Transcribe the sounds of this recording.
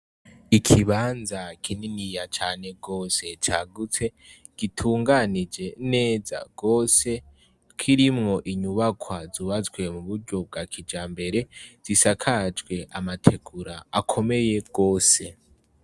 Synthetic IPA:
ikʰiβaːnzakʰininijat͡ʃaːne̞ɡo̞ːse̞t͡ʃaːɡut͡se̞ | ɡ̥itʰuːŋɡanid͡ʒe̞ne̞ːza̰ɡ̥o̞ːse̞ | kʰiɾimŋo̞ʔiɲuβakʰwazuβazwe̞muβuɾɟo̞b̚ɡakʰid͡ʒaːmbe̞ɾe̞z̥isakʰad͡ʒɡwe̞ʔamatʰe̞ɡuɾaakʰo̞me̞je̞ɡ̥o̞ːse

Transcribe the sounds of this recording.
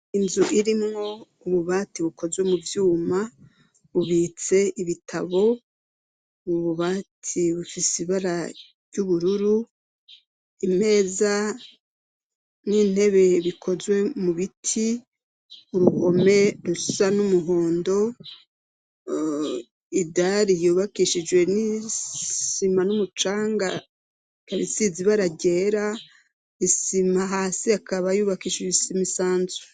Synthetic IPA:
inzuʔiɾimŋo̞ | uβuβaːtiβukʰo̞zwe̞muvjuːma | βuβiːt͡se̞iβitʰaβo̞ | βuβuβaːtʰiβufisiβaɾa | ɾjuβuɾuɾu | ime̞ːza | niːn̥e̞βe̞βikʰo̞zwe̞muβitʰi | uɾuho̞me̞ɾusanumuɦo̞ːndo̞ | idaɾijuːβakiʃid͡ʒwe̞ni | simanumut͡ʃaːŋɡa | kaβisiziβaɾaɟe̞ːɾa | isimaɦaːsiakaβajuːβakiːʃiβisimisaːnzu̥

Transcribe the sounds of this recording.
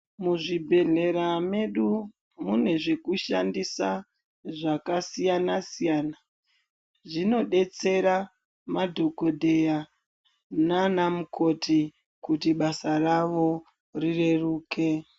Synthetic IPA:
muʐibʱe̞ɮe̞ɾame̞ɗu | mune̞ʐe̞kuʃandisa | ʐakasijanasijaːna | ʐino̞ɗe̞t͡se̞ɾa | madʱo̞ko̞dʱe̞ja | nanamuko̞tʰi | kutiɓasaraʋo̞ | rire̞ruːke̞

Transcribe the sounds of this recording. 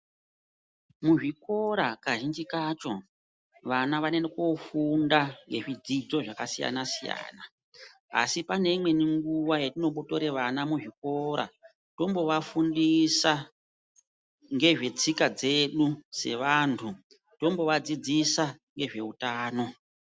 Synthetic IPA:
muʐiko̞ɾakaʒind͡ʒikaːt͡ʃo̞ | ʋanaʋanenekofundaŋɡe̞ʐid͡zid͡zo̞ʐakasija̰nasija̰ːna | a̰sipane̞imwe̞niŋɡuwajetino̞ɓoto̞ɾeʋanamuʐiko̞ɾa̰ | to̞mbo̞ʋafundisa | ŋɡe̞ʐe̞t͡sikad͡ze̞ɗuse̞̰ʋantʰu | to̞mbo̞ʋad͡zid͡zisaŋɡe̞ʐe̞utaːno̞

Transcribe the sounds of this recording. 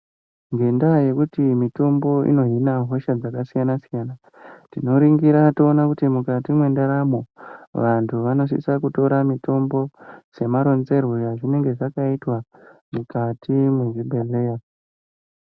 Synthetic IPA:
ŋɡe̞ndaje̞kutimito̞mbo̞ḭno̞ɦinaɦo̞ʃad͡zakasijanasijana | tino̞ɾiŋɡiɾatoːnakutimukatimwe̞ndaɾamo̞ʋantʰuʋano̞s̬ḭsakuto̞ɾamito̞mbo̞se̞maɾo̞nze̞rojaʐine̞ŋɡe̞ʐakaitwamukatʰimwe̞ʐibʱe̞leja

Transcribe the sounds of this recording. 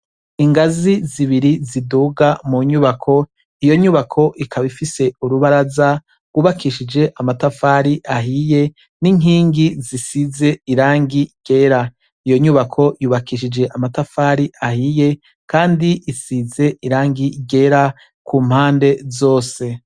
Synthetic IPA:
iŋɡaziziβiɾiziduːɡamuɲuβakʰo̞ | ijo̞ɲuːβakʰo̞ʔikʰaβifise̞uɾuβaɾaza | ɡ̥uːβakʰiʃid͡ʒe̞ʔamatafaɾiʔaɦije̞ | niŋɦiːŋɡizisize̞iɾaːŋɡiɡ̥e̞ːɾa | ijo̞ɲuːβakʰo̞juːβakiʃid͡ʒe̞ʔamatafaːɾiʔahije̞ | kaːndiʔisize̞ʔiɾaːŋɡiɡe̞ɾa | kʰuːm̥haːnde̞zo̞ːse̞

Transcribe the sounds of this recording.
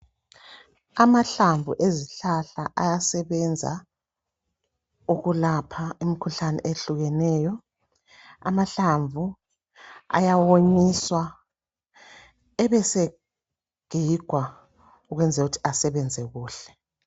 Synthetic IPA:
amaɬaɱvṵʔeziɬaɬaʔajasɛβɛnd͡zʱa̰ | uɣulapʰaimikʰuɬanɛ̰ʔeɬuɣɛnɛːjɔ | a̰maɬaɱvʱu | a̰jawoɲiswa | ɛβɛse | ɡ̥ʱiɡ̥ʱwa | uɣwɛnd͡zʱɛɣutʰi̥asɛβɛnd͡zʱɛɣuːɬɛ̥

